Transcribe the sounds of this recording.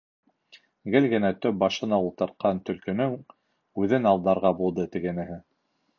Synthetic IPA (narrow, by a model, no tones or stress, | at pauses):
ɡɘlɡɘ̆næt̪ɵp̚bɑʃɤ̆nɑulˠt̪ɤ̆ɾt̪̚qɑnt̪ɵ̆lkɵ̆nɵŋ | ʉðɘnɑlˠd̪ɑɾʁɑbulˠd̪ɤt̪ɘ̆ɡɘ̆nɘ̆ɦɘ